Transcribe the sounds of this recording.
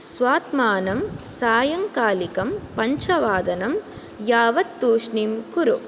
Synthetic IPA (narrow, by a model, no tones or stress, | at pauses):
sʋaːt̪maːnɐmsaːjɐŋkaːlikɐmpɐɲt͡ʃɐʋaːd̪ɐnɐm | jaːʋɐt̪ːuːʂɳimkuɾu